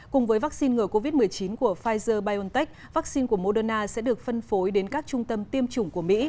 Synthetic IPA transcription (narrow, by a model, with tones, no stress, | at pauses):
kʊ˨˩ŋ͡mvəː˨˦jva˦˥k̚si˧nŋɨ˨˩əko˧vi˦˥t̚mɨ˨˩əjt͡ɕi˨˦nku˧˩əfaː˧jzəː˧ɓaː˧jʔo˧nt̪ɛ˦˥k̚vaː˦˥k̚si˧nku˧˩əmo˧ɗəː˧naː˧sɛ̰˧˥ɗɨ˨˩ək̚fə˧nfo˨˦jɗe˨˦nkaː˦˥k̚t͡ɕʊ˧ŋ͡mt̪ə˧mt̪i˧əmt͡ɕʊ˧˩ŋ͡mku˧˩əmḭ˧˥